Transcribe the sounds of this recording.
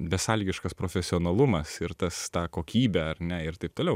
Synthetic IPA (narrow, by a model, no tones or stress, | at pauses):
bʲɛsɑːlʲiːɡʲɪʃkɐspɾoːfʲɛsʲɪoːnɐlˠʊmɐsɪɾt̪ɐst̪ɑːkoːkʲiːbʲɛɐɾnʲɛɪɾt̪ɐɪp̚t̪oːlʲɛʊ